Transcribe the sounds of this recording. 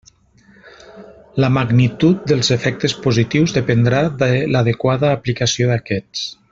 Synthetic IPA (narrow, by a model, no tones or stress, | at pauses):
ləmaɡnit̪ut̪̚d̪eəlˠzefɛk̚t̪espuzit̪iwzðepend̪ɾaðəlaðekwaðəːplikasioðakɛt͡s